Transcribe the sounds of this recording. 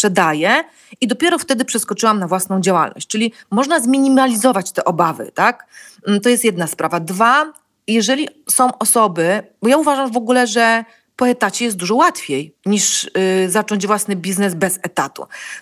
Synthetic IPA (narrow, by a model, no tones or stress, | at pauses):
pʂɛd̪ajɛ | id̪ɔpʲjɛɾɔft̪ɛd̪ɘpʂɛskɔt͡ʂɘwamnavwasnɔ̃w̃d͡ʑawa̰lnɔ̰ɕt͡ɕt͡ʂɘlʲimɔʐnazmʲiɲimalʲizɔvat͡ɕt̪ɛʔɔbavɘ̰t̪ak̩t̪ɔjɛst̪jɛd̪naspɾavad̪va | jɛʐɛlʲisɔ̃w̃ʔɔsɔbɘbɔjauvaʐamvɔɡulɛʐɛ | pɔɛt̪at͡ɕɛjɛst̪̚d̪uʐɔwat̪fʲjejɲiʂzat͡ʂɔɲd͡ʑvwasnɘbʲiznɛzbɛzɛt̪at̪ṵ